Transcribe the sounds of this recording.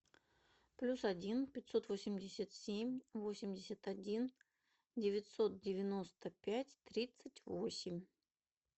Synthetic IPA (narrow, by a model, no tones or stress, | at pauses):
plʲusɐdʲinpʲɪtʲso̞t̪vosʲɪmʲdʲɪsʲət̪sʲemʲvo̞sʲɪmʲdʲɪsʲət̪ɐdʲin | dʲɪvʲɪtʲso̞t̪̚dʲɪvʲɪno̞st̪əpʲætʲt̪ɾʲit̪sətʲvosʲɪmʲ